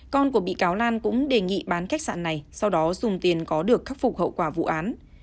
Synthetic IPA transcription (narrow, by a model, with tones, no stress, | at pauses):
kɔ˧nku˧˩əɓḭ˧˨kaː˨˦wlaː˧nkʊ̰˧˥ŋ͡mɗe˨˩ŋḭ˧˨ɓaː˨˦nxa˦˥k̚sa̰ː˧˨nːa˨˩jsa˧wɗɔ˨˦zʊ˨˩ŋ͡mt̪i˨˩ənkɔ˨˦ɗɨ˨˩əkːa˦˥k̚fʊ˨˩k͡p̚hə̰˧˨wkwaː˧˩vṵ˧˨ʔaː˨˦n